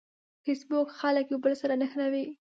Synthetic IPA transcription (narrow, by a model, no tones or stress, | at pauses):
fesbokxaləkjobəlsaɾanəxnawi